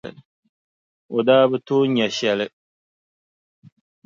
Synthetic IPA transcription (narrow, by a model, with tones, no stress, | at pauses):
ɨ̰˨ | o˨daː˦bɨ˦toː˦ɲɛ˨ʃɛ˨lɨ˦